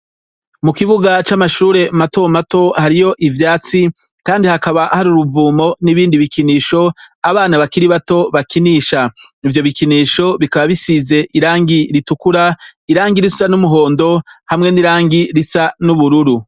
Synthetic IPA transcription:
mukiβuɡat͡ʃamaʃuːɾe̞mato̞mato̞haɾijo̞ʔivjaːt͡si | kaːndihakaβaʔhaɾuɾuvuːmo̞niβiːndiβikiniːʃo̞aβaːnaβakiɾiβato̞βakiniːʃaivjo̞βikiniːʃo̞βikaβaβisize̞ʔiɾaːŋɡiɾitukuɾaiɾaːŋɡiɾisu̥sanumuɦo̞ːndo̞hamŋe̞niɾaːŋɡiɾisanuβuɾuɾu

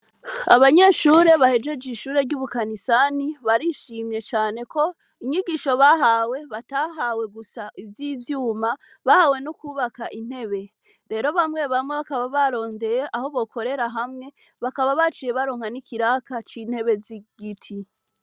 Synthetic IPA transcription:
aβaɲe̞ʃuːɾe̞βahe̞d͡ʒe̞d͡ʒiʃuːɾe̞ɾɟuːβukanisaniβaɾiʃiːmɲe̞t͡ʃaːne̞ko̞ | iɲiɡiʃo̞βaɦawe̞βataɦawe̞ɡusaʔivjivjuːma | βahawe̞nukuːβakaʔin̥he̞βe | ɾe̞ːɾo̞βamŋe̞βamŋe̞βakaβaβaɾo̞ːnde̞je̞ʔaho̞βo̞kʰo̞ɾe̞ɾaɦamŋe̞ | βakaβaβat͡ʃiːje̞βaɾoːŋ̥hanikʰiɾakat͡ʃin̥he̞βe̞ziɡ̥itʰi

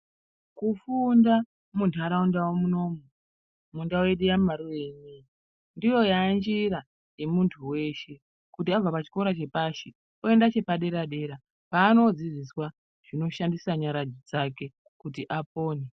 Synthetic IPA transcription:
kufunda | muntʰaɾaundawomuno̞mu | mundawe̞ɗujamaɾuwe̞ɲi | ndijo̞jand͡ʒiɾa | je̞muntʰuwe̞ːʃe̞ | kutiab͡vapat͡ʃi̥ko̞ɾat͡ʃe̞paʃi | oe̞ndat͡ʃe̞paɗe̞ɾaɗe̞ɾa | paːno̞d͡ziziswa | ʐ̥ino̞ʃandisaɲaɾad͡ʒid͡zake̞ | kutiʔap̚o̞ːne

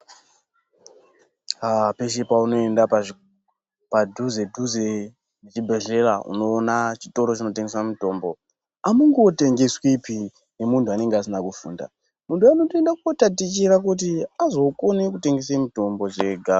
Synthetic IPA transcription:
apeʃepauno̞endap | padʱuze̞dʱuze | et͡ʃibʱe̞ɮe̞ra̰ṵno̞ːnat͡ʃi̥to̞ɾo̞t͡ʃino̞teŋɡesamito̞mbo̞ | amuŋɡote̞ŋɡeswipi | ne̞muntʰuane̞ŋɡeas̬inakufṵːnda̰ | muntʰuanotoendakuotatit͡ʃiɾakut̬iazo̞konek̬ute̞ŋɡes̬emito̞mbo̞ʐeɡʱa

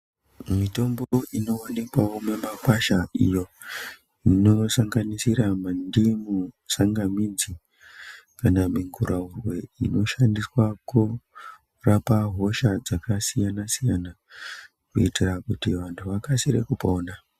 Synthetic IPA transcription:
mito̞mboino̞anekwaomemapaʃaijo̞ | ino̞saŋɡanisiɾamandimusaŋɡamid͡zi | kanamiŋɡuraurwe̞ḭno̞ʃandiswaku | rapaɦo̞ʃad͡zakasijanasijana | kuitirakutiʋantʰuʋakasiɾḛkupoːna

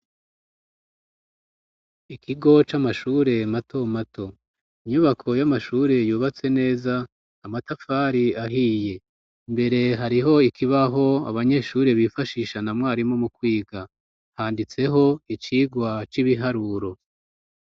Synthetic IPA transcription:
ikʰiɡo̞t͡ʃamaʃuːɾe̞matʰo̞matʰo̞ | iɲuβakʰo̞jamaʃuːɾe̞juːβat͡se̞ne̞ːzaː | matafaːɾiaɦiːje̞ | mbe̞ɾe̞ɦaɾiɦo̞ikʰiβaɦo̞a̰βaɲe̞ʃuːɾe̞βifaʃiːʃanamŋaːɾimo̞mukwiːɡa | haːndit͡se̞ɦo̞it͡ʃiːɡwat͡ʃiβiɦaɾuɾo̞

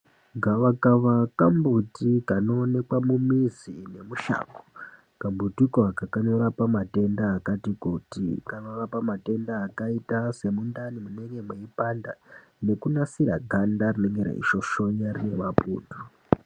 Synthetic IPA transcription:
ŋɡaʋakaʋakambutikano̞ːne̞kwamumizine̞muʃa̰ːko̥ | kambutikoakakaɲoɾapamate̞ndaːkatikutḭkaɲorapamate̞ndaːkaitase̞mundanimuneŋɡe̞mwe̞ipanda | ne̞kunasira̰ɡʱandarine̞ŋɡeɾḛḭʃo̞ʃo̞ɲaɾine̞mapṵːndu

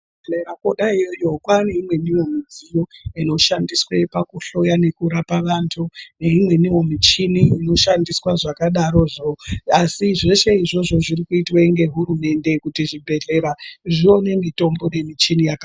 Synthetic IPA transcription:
eɾakoɗaijojo̞kwaneimwe̞niwo̞mid͡zijo̞ino̞ʃandiswepakuɬo̞jane̞kuɾapaʋantʰuneimwe̞niwo̞mit͡ʃiniino̞ʃandiswaʐakaɗaɾo̞ʐoasiʐe̞ʃe̞iʐo̞ʐo̞ʐirikuitweiŋɡe̞ɦuɾume̞nde̞kutiʐibʱe̞ɮe̞ɾaʐio̞ne̞mito̞mbo̞ne̞mit͡ʃinijaka

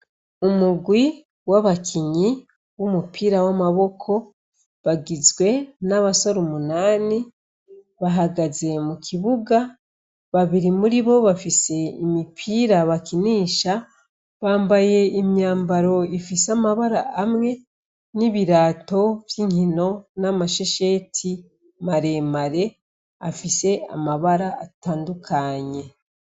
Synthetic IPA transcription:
umuɡwi | waβakʰiɲi | βumupʰiːɾawamaβo̞kʰo̞ | βaɡizɡwe̞naβasoɾumunaːni | βaɦaɡaze̞mukʰiβuɡa | βaβiɾimuɾiβo̞βafise̞imipʰiːɾaβakiniːʃa | βaːmbaje̞imɲaːmbaɾo̞ifisamaβaɾaʔamŋe̞ | niβiɾaːto̞vjiːŋhino̞namaʃeʃe̞tʰi | maɾe̞ːmaɾe̞ | afise̞a̰maβaɾaːtaːndukʰaɲe̞

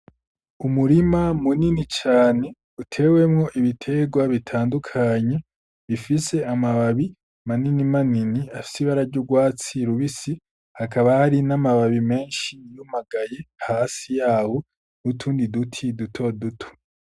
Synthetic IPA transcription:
umuɾimamuninit͡ʃaːne̞ | utʰe̞we̞mŋo̞ʔiβitʰe̞ɡwaβitʰaːndukʰaɲe̞ | βifise̞amaβaβi | maninimaniniafi̥siβaɾavɟuɡwaːt͡siɾuβisi | hakaβahaɾinamaβaβime̞ːnʃijumaɡaje̞haːsijaːho | nutʰuːndidutʰidutʰo̞dutʰo̥

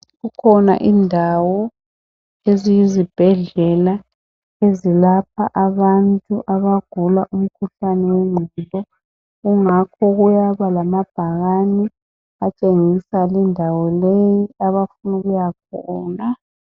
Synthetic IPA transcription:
ɣukʰɔna̰ʔiːndʱawɔ | ezijizib̥ʱɛɮɛla | ezilapʰaʔaβantʼuʔaβaɡ̥ʱulaʔum̩kʰuɬanɛweŋ͡ǃʱulɔ | ɣuŋakʰɔɣujaβalamab̥ʱaɣanɛ | at͡ʃʼeŋisalindʱawɔlejiaβafunuɣujakʰɔːna

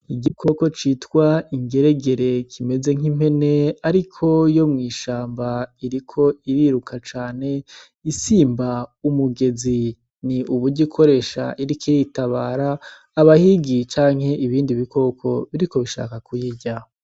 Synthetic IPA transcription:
iɟikʰo̞ko̞t͡ʃiːtkwaiŋɡe̞ɾe̞ɡe̞ɾe̞kʰime̞ze̞ŋ̥im̥e̞ne̞aɾikʰo̞jo̞mŋiːʃaːmbaiɾikʰo̞iɾiɾukʰat͡ʃaːne̞ | isiːmbaumuɡe̞zi | niʔuβuɟikʰoɾe̞ːʃa̰ʔiɾikeitaβaːɾaː | βahiɡit͡ʃaːŋ̥he̞ʔiβiːndiβikʰo̞kʰo̞βiɾiko̞βiʃa̰ːkakujiɟa

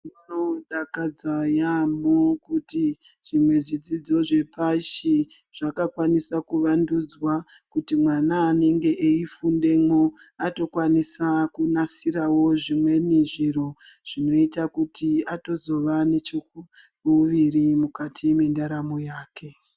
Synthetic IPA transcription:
nonoɗakad͡zajamokuti | ʐimwe̞ʐid͡zid͡zo̞ʐe̞paʃi | ʐ̥akakwanisakuʋandud͡zwakutimwanaːne̞ŋɡe̞ʔeifunde̞mo | ato̞kwanisakunasiɾawo̞ʐimwe̞niʐiɾo̞ | ʐ̥ino̞itakutiato̞zo̞ʋane̞t͡ʃoku | uʋiɾimukatʰimindaɾamojaːke̞

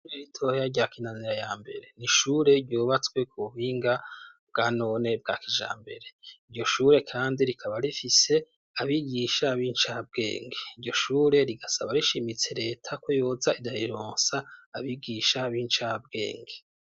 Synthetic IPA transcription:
eɾitʰo̞hjaɟakinaniɾajaːmbe̞ɾe̞niʃuɾe̞ɾɟoːβat͡swe̞kuuβiːŋɡab̚ɡ̥ano̞ne̞b̚ɡaːkʰiʒa̰ːmbe̞ɾe̞iɾjo̞ʃuːɾe̞kʰaːndiɾikʰaβaɾifise̞ | aβiɡiːʃaβiːnt͡ʃab̚ɡe̞̰ːŋɡeiɾɟo̞ʃuːɾe̞ɾiɡasaβaɾiʃimit͡se̞ɾe̞ːtʰako̞joːzaʔiɾajiɾoːnsaːβiɡiːʃaβiːnt͡ʃab̚ɡe̞̰ːŋɡe

